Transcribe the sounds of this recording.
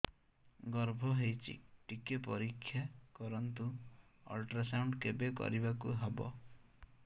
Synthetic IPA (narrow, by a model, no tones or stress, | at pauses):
ɡɔɾbʱɔɦejt͡ʃʰḭʈikepɔɾikʰːjakɔɾɔnt̪uɔ̰lʈɾasawɳɖkebekɔ̰ɾibakuɦebɔ̰